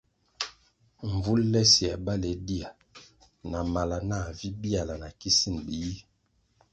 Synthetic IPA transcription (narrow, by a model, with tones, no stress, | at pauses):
ɱ˨vu˦llɛ˦si˨a˨ba˦le˨˦di˦a˨ | na˨ma˨la˨na˦˨vi˦bi˦a˨la˨na˨ki˦si˦n˨bi˨ji˦